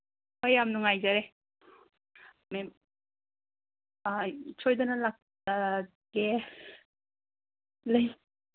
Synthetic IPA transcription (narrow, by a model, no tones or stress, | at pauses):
hojamnuŋajzaɾe | mem | t͡ʃʰojdɐnalak̚ | ta | ɡe | lej